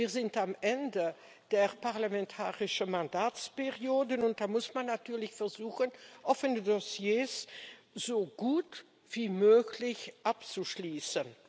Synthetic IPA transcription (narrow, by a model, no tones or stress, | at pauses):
viːɐzɪntamʔɛndə | d̥eːʁpaʁlamɛntʰaːʁɪʃəmandaːt͡speʁjoːdənʊnt̚d̥aːmʊsmanːatʰyːɐlɪçfɛʁzuːxənʔɔfənədosjeːs | z̥oːɡ̥uːt | v̥iːmøːklɪçʔapt͡suʃliːsən